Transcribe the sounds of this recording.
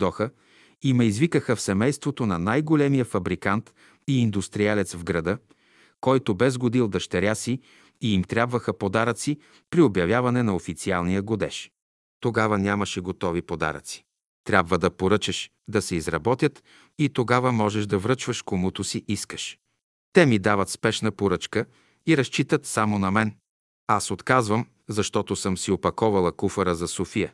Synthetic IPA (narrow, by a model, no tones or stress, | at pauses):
d̪ɔxə | imɛizvikəxəfsɛmɛjst̪vot̪onɐnajɡolɛmijəfɐbɾikant̪ | iːnd̪ust̪ɾialɛt̪svɡɾɐd̪ɤ | kɔjt̪obɛzɡod̪ilˠd̪ɐʃt̪ɛɾʲjasiː | imt̪ɾʲjabvəxəpod̪aɾət̪si | pɾiobjɐvʲjavɐnɛnɐofit̪sialˠnijəɡod̪ɛʃ | t̪oɡavɐnʲamɐʃɛɡot̪ɔvipod̪a̰ɾə̰t̪si̥ | t̪ɾʲabvəd̪ɐpoɾɤt͡ʃɛʃ | d̪ɐsɛizɾɐbɔt̪ʲjət̪ | it̪oɡavɐmɔʒɛʃd̪ɐvɾɤt͡ʃvɐʃkomut̪ʊsiʔiskə̥ʃ | t̪ɛmid̪avɐt̪spɛʃnəpoɾɤt͡ʃkə | iɾɐst͡ʃit̪ət̪samonɐmɛn | asot̪kazvəm | zɐʃt̪ɔt̪osɤmsiopɐkɔvɐlˠɐkufɐɾəzɐsofijə